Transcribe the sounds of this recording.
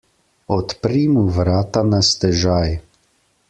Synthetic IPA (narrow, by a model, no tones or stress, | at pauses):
ɔt̪pɾiːmuʋɾaːt̪anast̪ɛʒaj